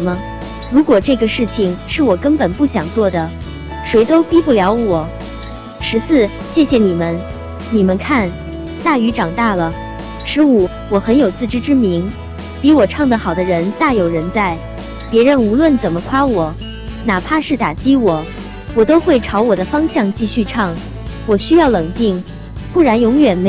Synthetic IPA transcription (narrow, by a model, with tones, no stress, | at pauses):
mə˧ | ɻu˧˥kwɔ˨˩ʈ͡ʂɤ˥˩ɡə˩ʂɻ̩˥˩t͡ɕʰi˩ŋʂɻ̩˥˩wɔ˨˩kə˥npə˨˩npu˥˩ɕjɑ˨˩ŋt͡swɔ˥˩d̪ə˩ | ʂwe˧˥ɪt̪o˥ʊpi˥pu˥˩ljɑ˧˥ʊwɔ˨˩˦ | ʂɻ̩˧˥sɹ̩˥˩ | ɕjɛ˥˩ɕjɛ˧ni˨˩mə˦n | ni˨˩mə˦nkʰa˥˩n | t̪a˥˩y˧˥ʈ͡ʂɑ˨˩ŋt̪a˥˩lə˩ | ʂɻ̩˧˥u˨˩ | wɔ˨˩xə˧˥njo˨˩ʊt͡sɹ̩˥˩ʈ͡ʂɻ̩˥ʈ͡ʂɻ̩˥mi˧˥ŋ | pi˧˥wɔ˨˩ʈ͡ʂʰɑ˥˩ŋd̪ə˩xɑ˨˩ʊd̪ə˦ɻə˧˥nt̪a˥˩jo˨˩ʊɻə˧˥nt͡sa˥˩ɪ | pjɛ˧˥ɻə˧˥nu˧˥lwə˥˩nt͡sə˨˩nmə˦kʰwa˥wɔ˨˩˦ | na˨˩pʰa˥˧ʂɻ̩˥˩t̪a˨˩t͡ɕi˥wɔ˨˩˦ | wɔ˨˩t̪o˥ʊxwe˥˩ɪʈ͡ʂʰɑ˧˥ʊwɔ˨˩d̪ə˦fɑ˥ŋɕjɑ˥˧ŋt͡ɕi˥˧ɕy˥˧ʈ͡ʂʰɑ˥˩ŋ | wɔ˨˩ɕy˥jɑ˥˩ʊlɤ˨˩ŋt͡ɕi˥˩ŋ | pu˥˩ɻa˧˥njʊ˧˥ŋjɥɛ˨˩nm˧